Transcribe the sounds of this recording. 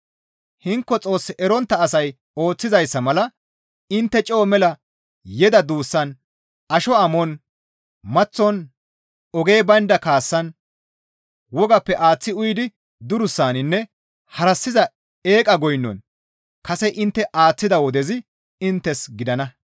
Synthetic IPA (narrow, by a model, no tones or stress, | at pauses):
hɪŋkːɔt͡sʼo̞ːsːɪʔɛɾɔnt̪ːɐːsɐj | o̞ːt͡sːɪzɐjsːɐmɐlɐ | ɪnt̪ːɛt͡ʃʼɛːmɛlɐ | jɛd̪ɐd̪uːsːɐn | ʔɐʃɔɐmɔn | mɐt͡sːɔn | ɔɡe̞ːbɐnd̪ɐkaːsːɐn | wɔɡɐpːɛʔaːt͡sːɪʊjd̪ɪ | d̪ʊɾʊsːaːnɪnːɛ | hɐɾɐsːɪzɐ | e̞ːkʼɐɡɔjnːɔ̰n | kɐsɛʔɪnt̪ːɛʔaːt͡sːɪd̪ɐwɔd̪ɛzɪ | ɪnt̪ːɛsɡɪd̪ɐnɐ